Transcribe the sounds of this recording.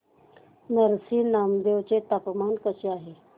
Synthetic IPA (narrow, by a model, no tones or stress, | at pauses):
nəɾsinaːmd̪ewt͡ɕet̪apmankəseaːɦe